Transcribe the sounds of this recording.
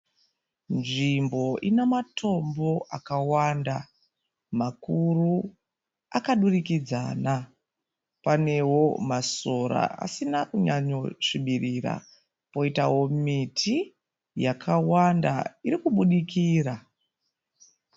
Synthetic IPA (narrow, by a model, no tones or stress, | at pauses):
nʐimbo̞ʔinematʰo̞mbo̞ʔakawanda | makuru | akaɗurikid͡za̰na | pane̞wo̞maso̞ɾa̰ʔa̰sinakuɲaɲo̞ʂiɓirira̰ | po̞itawo̞mitʰi | jakʰawanda̰iɾikuɓuɗikiːra